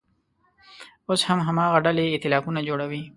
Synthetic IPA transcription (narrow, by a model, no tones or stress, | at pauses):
oshamɦamɑːɣaɖaleɪt̪ɪlɑːkunad͡ʒoːɽawi